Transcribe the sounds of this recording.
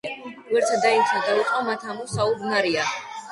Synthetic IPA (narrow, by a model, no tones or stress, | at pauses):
wɛɾt̪ʰad̪ait̪ʰad̪aiqʼɔmat̪ʰamusaubmaɾia